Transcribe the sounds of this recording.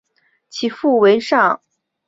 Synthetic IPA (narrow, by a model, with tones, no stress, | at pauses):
t͡ɕʰi˨˩fu˥˩we˧˥ɪʂɑ˥˩ŋ